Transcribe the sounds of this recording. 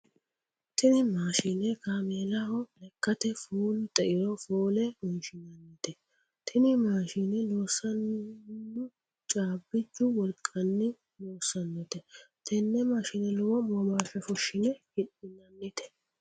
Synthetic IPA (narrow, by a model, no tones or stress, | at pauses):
t̪ɪnɪmaːʃɪnɛkaːmeːlɐhɔlɛkːɐt̪ɛfoːlʊt̪ɛʔɪɾɔfoːlɛmɐnʃɪnɐnːɪt̪ɛ | t̪ʰɪnɪmaːʃɪnɛloːsːɐnː | ʊ | t͡ʃʼaːbːɪd͡ʒːʊwɔlkʼːɐnːɪ | loːsːɐnːɔt̪ɛt̪ʰɛnːɛmaːʃɪnɛlɔwɔmɔmaːfɛfɔʃːɪnɛhɪɗɪnɐnːɪt̪ʰɛ̥